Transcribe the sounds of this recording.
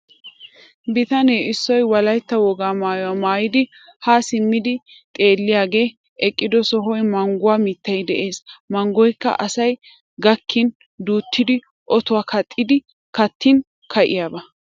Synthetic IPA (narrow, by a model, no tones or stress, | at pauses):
bɪt̪ɐneːɪsːɔjwɐlɐjt̪ːɐwɔɡaːmaːjʊwaːmaːjɪd̪ɪ | haːsɪmːɪd̪ɪ | t̪ʼe̞ːlːɪjaːɡe̞ː | ʔɛkʼːɪd̪ɔsɔɦɔjmɐŋɡʊwaːmit̪ːɐjd̪ɛʔe̞ːsmɐŋɡɔjkːɐ̰ʔɐsɐj | ɡɐkʰːɪn | d̪uːt̪ʰːɪd̪ɪ | ʔɔt̪ʊwaːkʰɐt̪ʼːɪd̪ɪ | kɐt̪ːɪn | kʰɐʔɪjaːbɐ